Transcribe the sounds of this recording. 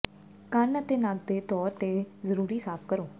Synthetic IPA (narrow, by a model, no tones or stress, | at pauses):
kənət̪eːnaɡ̚d̪eːt̪ɔːɾt̪eːzəɾuːɾiːsaːpʰkəɾoː